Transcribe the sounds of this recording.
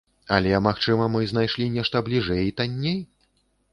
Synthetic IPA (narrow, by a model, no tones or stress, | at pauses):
ɐ̰lʲɛmaxt͡ʂɨmɐmɨznajʂlʲinʲɛʂt̪ɐblʲiʐɛjit̪anʲːej